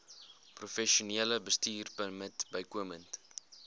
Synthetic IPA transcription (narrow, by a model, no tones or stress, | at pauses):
prufɛʃuniələbəstiːrpənmətbəjkuəmənt